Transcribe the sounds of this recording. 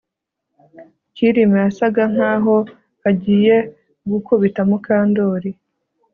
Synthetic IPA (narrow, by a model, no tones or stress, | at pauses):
ciɾimejasaɡaŋ̥aːɦo̞ | haɟiːje̞ | ɡukoβitamukaːndo̞ːɾi